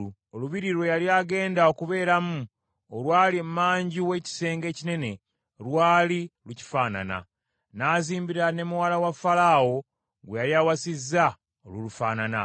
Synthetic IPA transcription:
oluβiɾiɾwojaliaɡe̞ːndao̞kuβe̞ːɾamu | olwaːlimmaːɲɟiwe̞ci̥se̞ːŋɡe̞ːcine̞ne̞ | ɾwaːliluci̥faːna̰na̰ | naːziːmbiɾane̞muwaːlawafalawo̞ | ɡwejaɾiawasizːa | olulufaːnana̰

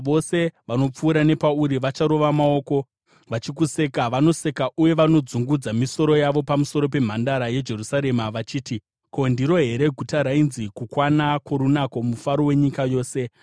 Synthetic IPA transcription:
ʋo̞se̞ʋano̞p͡fuːɾane̞pauɾiʋat͡ʃaɾo̞ʋamao̞ːko̞ | ʋat͡ʃikuse̞kaʋano̞se̞kauje̞ʋano̞d͡zuŋɡud͡zamiso̞ɾo̞jaʋo̞pamuso̞ɾo̞p̬e̞m̤andaɾaje̞d͡ʒe̞rusaɾe̞maʋat͡ʃiːti | ko̞ndiɾo̞ɦe̞ɾe̞ɡʱutaɾainzikukwanakwoɾunako̞mufaɾo̞we̞ɲikajo̞ːse̞

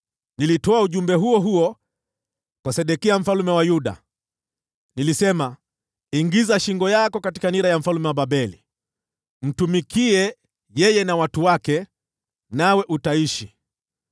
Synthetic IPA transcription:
nilitɔauʄumbɛɦuɔɦuɔ | kwasɛɗɛkiam̩falumɛwajuɗa̰ | nilisɛma | iŋɡizaʃiŋɡɔjakɔkati̥kaniɾajam̩falumɛwaɓaɓɛlḭ | m̩tumikiɛ | jɛjɛnawatuwakɛ | nawɛʔutaiʃi

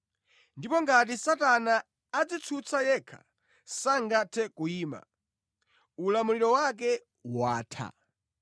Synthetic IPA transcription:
ndipɔŋɡat̬isatanaː | d͡zit͡sʰut͡sʰajɛkʰḁ̰ | saŋɡatʰɛkuiːma̰ | ulamuliɾɔwak̬ɛ | waːtʰa̰

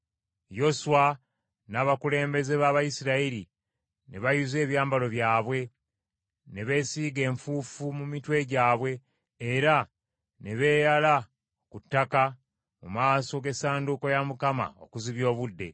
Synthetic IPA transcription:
jo̞suwa | naːβakule̞ːmbe̞ze̞βaβajisiɾaiɾi | neβajuze̞ːβjaːmbalo̞βjaːβwe̞ | neβe̞ːsiːɡe̞ːɱfuːfumumitwe̞ɟaːβwe̞ː | ɾa | neβe̞ːjala | kutːaka | mumaːso̞ɡe̞saːnduko̞jamukama̰o̞̰kuziβjo̞ːβudːe̞̰

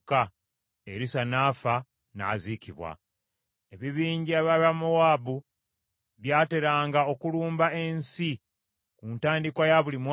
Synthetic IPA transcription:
ka | eɾisanaːfa | na̰ːziciβwa̰ | e̞βiβiːɲɟiaβaβamowaːbu | βjaːte̞ɾaːŋɡao̞kuluːmbae̞nsi | kuːntaːndikwajaβulimw

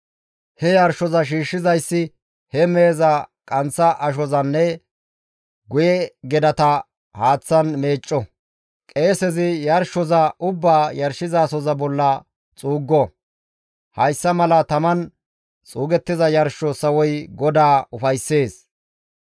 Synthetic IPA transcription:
hɛjɐɾʃɔzɐʃ̬iːʃːɪzɐjsːɪ | hɛme̞ːzɐkʼɐnt͡sːɐʔɐʃ̬ɔzɐnːɛ | ɡʊjɛɡɛd̪ɐt̪ɐ | haːt͡sːɐnme̞ːt͡ʃʼːɔ | kʼe̞ːsɛzɪjɐɾʃɔzɐʔʊbːaːjɐɾʃɪzaːsɔzɐbɔlːɐ | t͡sʼuːɡːɔ | hɐjsːɐmɐlɐt̪ɐmɐn | t͡sʼuːɡɛt̪ːɪzɐjɐɾʃːɔsɐwɔjɡɔd̪aːʊfɐjsːe̞ːs

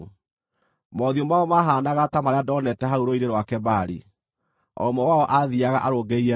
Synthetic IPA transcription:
mɔðiomaɔmaɦaːnaɣatamaɾeadɔnɛtɛɦauɾoiɾeɾwakɛbaɾḭ | ɔ̰mɔwaɔʔaðiaɣaʔaɾoɡeiɛ

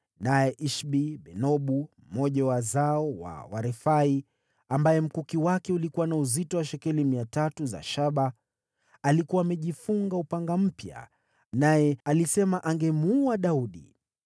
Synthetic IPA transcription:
najɛʔiʃɓiɓɛnɔɓum̩mɔʄawazaɔwa̰waɾɛfai | ambajɛm̩kukiwakɛulikuwanauzitɔwaʃɛkɛlimiatatuza̰ʃaɓa | alikuwaːmɛʄifuŋɡaupaŋɡam̩pja̰ | najɛalisɛmaʔaŋɡɛmuaɗauɗḭ

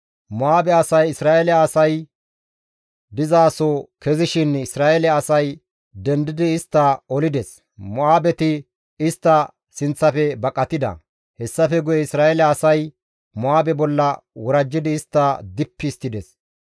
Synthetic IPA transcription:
mɔaːbɛɐsɐjɪsɾaːʔɛlɛɐsɐj | d̪ɪzaːsokɛzɪʃɪnɪsɾaːʔɛlɛːsɐj | d̪ɛnd̪ɪd̪ɪːst̪ːɐɔlɪd̪ɛs | mɔaːbɛt̪ɪ | ɪst̪ːɐ | sɪnt͡sːɐfɛbɐkʼːɐt̪ɪd̪ɐ̰ | hɛsːɐfɛɡʊjɛɪsɾaːʔɛlɛːsɐj | mʊaːbɛbɔlːɐwɔɾɐd͡ʒːɪd̪ɪːst̪ːɐd̪ɪpːɪst̪ːɪd̪ɛs

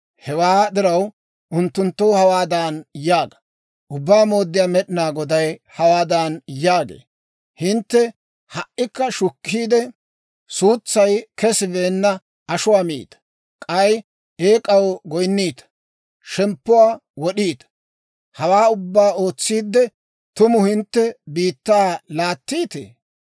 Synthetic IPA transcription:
hɛwaːd̪ɪɾɐw | ʔʊnt̪ːʊnt̪ːowhɐwaːd̪aːnjaːɡɐ̥ | ʔʊbːaːmo̞ːd̪ːɪjaːmɛɗɪnaːɡɔd̪ɐjhɐwaːd̪anjaːɡḛː | hɪnt̪ːɛ | hɐʔːɪkːɐʃʊkʰːiːd̪ɛ | suːt͡sːɐjkɛsɪbe̞ːnːɐ | ʔɐʃʊwaːmḭːt̪ɐ̥ | kʼɐj | eːkʼɐwɡɔjnːiːt̪ɐ̥ | ʃɛmpːʊwaːwɔɗiːt̪ɐ̥ | hɐwaːʊbːaːo̞ːt͡sːiːd̪ːɛ | t̪ʊmʊhɪnt̪ːɛbiːt̪ːaalaːt̪ːiːt̪ḛː

